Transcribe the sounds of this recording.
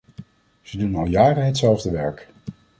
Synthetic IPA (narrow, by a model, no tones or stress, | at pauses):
z̥ədunɑlˠjaːrəɦɛtsɛlˠvdəʋɛɹk